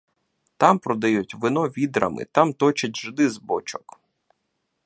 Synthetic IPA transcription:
t̪ɑmpɾɔd̪ɐjutʲʋɪnɔʋʲid̪ɾɐ̰mɪ̰t̪ɑmt̪ɔt͡ʃɐtʲʒɪd̪ɪzbɔt͡ʃɔ̥k

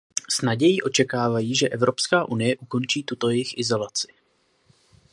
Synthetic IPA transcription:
snaɟɛjiʔo̞t͡ʃɛkaːvajiːʒɛʔɛvɾo̞pskaːʔunɪjɛʔuko̞nt͡ʃiːt̪ut̪o̞jɛjɪxʔɪzo̞lat͡sɪ̥

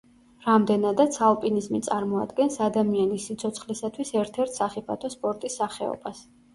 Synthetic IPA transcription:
ɾamd̪ɛnad̪at̪sʰalˠpʼinizmit̪sʼaɾmɔa̰d̪ɡɛnsad̪amianisit̪sʰɔt̪sʰχlisat̪ʰwisɛɾt̪ʰɛɾt̪ʰsaχipʰat̪ʰɔspʼɔɾt̪ʼisːaχɛɔ̰bas

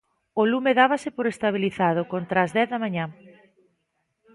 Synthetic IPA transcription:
olumeðaβɐsɪpoɾest̪aβ̞iliθaðʊkont̪ɾaːzðɛθðamaɲa

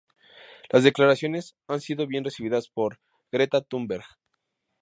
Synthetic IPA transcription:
lʔazðe̞klaɾasjo̞ne̞s | ansiðo̞βje̞nre̞siβ̞iðaspo̞ɾ | ɡ̥ɾe̞t̪at̪umbeɾɣ

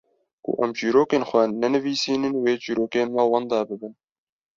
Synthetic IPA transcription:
kʊ̰ʔɛmd͡ʒiːɾoːkeːnxʷɛnɛnɨviːsiːnɨnweːd͡ʒiːɾoːkeːnmɛwɑnd̪ɑːbɨbɨn

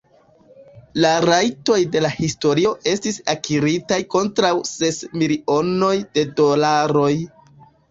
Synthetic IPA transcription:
laɾajto̞jde̞lahisto̞ɾio̞ʔe̞stisakʰiɾitajko̞ntɾawse̞smilio̞no̞jde̞do̞laɾo̞j

